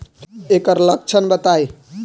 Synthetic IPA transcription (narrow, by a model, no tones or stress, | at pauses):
ekəɾlək̚t͡ʃʰənbət̪aj